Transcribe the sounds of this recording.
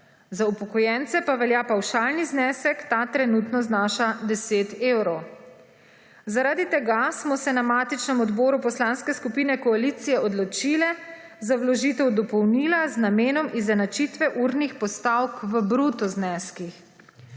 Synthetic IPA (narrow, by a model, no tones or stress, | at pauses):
zaupɔkɔjɛnt̪sɛpaʋɛljaːpawʃalniznɛsɛkt̪at̪ɾɛnut̪nɔznaːʃad̪ɛseːt̪ewɾɔw | zaɾad̪it̪ɛɡasmɔsɛnamaːt̪it͡ʃnɛmɔd̪bɔːɾupɔslanskɛskupiːnɛkɔalit̪sijɛɔd̪lɔt͡ʃilɛ | zawlɔʒiːt̪ɛwd̪ɔpɔwniːlaznameːnɔmʔizɛnat͡ʃit̪ʋɛʔuɾnixpɔst̪awkʋəbɾut̪ɔznɛskix